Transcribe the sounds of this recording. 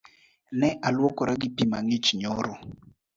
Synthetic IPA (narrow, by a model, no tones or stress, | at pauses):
nɛʔalwɔkɔɾaɡipimaŋit͡ʃɲɔɾɔ